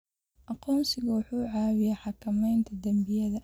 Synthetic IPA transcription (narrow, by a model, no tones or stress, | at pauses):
ʔɑqɔːmsɪɣɐwɑħuːʕɑːwɪjaħɑkʰɐmɛjnt̪ʰɐd̪ɐmbɪjɐðɐ